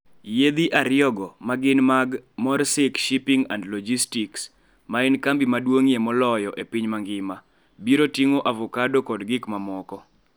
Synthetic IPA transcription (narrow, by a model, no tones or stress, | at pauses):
jed̪iʔaɾjɔɡɔmaɡɪnmaɡmɔɾsɪkʃipiŋa̰ndlɔd͡ʒistiks | maɪnkambimadwoŋiemɔlɔjɔʔepiɲmaŋɡɪma | biɾotiŋoʔavɔkadokɔdɡɪkmamɔkɔ